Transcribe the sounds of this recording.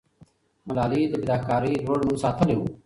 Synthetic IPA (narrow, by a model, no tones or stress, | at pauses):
mɐlaːliːt̪eɡɪɾaːkaːɾiːɾʱoːɽmʊnsaːt̪ʰəleo̰ː